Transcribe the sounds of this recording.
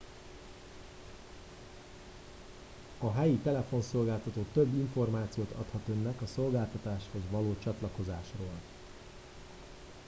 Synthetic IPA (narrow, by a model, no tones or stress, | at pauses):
ɒɦɛjit̪ɛlɛfo̞nso̞lɡaːlt̪ɒt̪oːt̪øbːiɱfo̞rmaːt̪sijoːt̪ʰɒ̰t̪hɒt̪ønːɛkɒso̞lɡaːlt̪ɒt̪aːʃho̞zʋɒloːt͡ʃɒt̪lɒko̞zaːʃroːl